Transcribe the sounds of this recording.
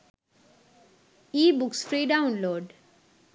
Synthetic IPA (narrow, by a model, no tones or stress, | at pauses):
ibuksfɾiɖaʊnloɖ